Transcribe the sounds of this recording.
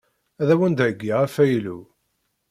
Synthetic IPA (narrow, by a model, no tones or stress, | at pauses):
æðæwənd̪æɡːiʁæfæjlṵ